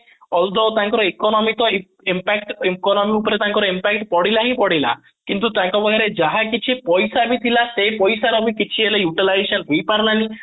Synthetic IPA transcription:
ɔld̪ɔwt̪aŋkɔɾɔikɔnɔmit̪ɔ | impɛkʈikɔnɔmiupɔɾet̪ãŋkɔɾɔimpɛk̚ʈpɔɽilaɦĩpɔɽila̰ | kint̪ut̪ãŋkɔbɔɦiɾed͡ʒaɦakit͡ʃʰipɔjsabit̪ʰilasepɔjsaɾɔbikit͡ʃʰielejuʈilajsɔnɦojpaɾnani

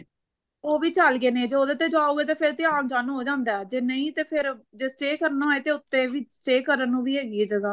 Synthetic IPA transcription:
oːʋiːt͡ʃəlɡeːneːd͡ʒeːoːd̪eːt̪eːd͡ʒaːuːɡeːt̪eːpʰɪɾt̪ɪaːkd͡ʒaːnuːɦoːd͡ʒãːnd̪aːd͡ʒeːnəĩːt̪eːpʰɪɾd͡ʒeːsʈeːkəɾnaːɦoeːt̪eːʊt̪ːẽːʋiːsʈeːkəɾənːũːʋiːɦeːɡieːd͡ʒəɡaː

